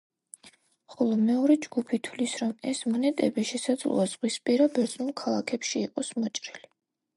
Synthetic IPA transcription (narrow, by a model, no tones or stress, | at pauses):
χɔlˠɔmɛɔɾɛd͡ʒɡupʰit̪ʰwlisɾɔmɛsmɔnɛt̪ʼɛbiʃɛsad̪zlˠṵaz̥ʁwispʼiɾabɛɾd̪z̥ʼnulkʰalˠakʰɛpʃiːqʼɔsmɔt͡ʃʼɾili